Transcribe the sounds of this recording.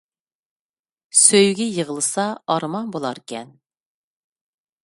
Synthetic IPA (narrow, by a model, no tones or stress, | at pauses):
søjɡʲɛjəʁəlˠɨsɑɑɾmɑnbolˠɑɾkʲʰɛn